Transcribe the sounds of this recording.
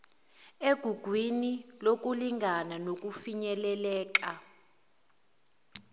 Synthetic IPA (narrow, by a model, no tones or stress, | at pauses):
eɡ̥ʱuɡ̥ʱwinilok̬uliŋɡʱananok̬ufiɲɛlɛlɛːk̬a